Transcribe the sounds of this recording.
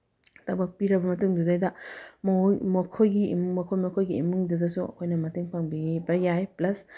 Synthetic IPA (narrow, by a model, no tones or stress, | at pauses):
t̪ɐbɐk̚piɾɐbɐmɐtuŋdudajdɐmmɐkʰojɡimmɐkʰojmɐkʰojɡiimuŋdudɐsuɐ̰kʰojnɐmɐtɯŋpaŋbiibɐjajplɐs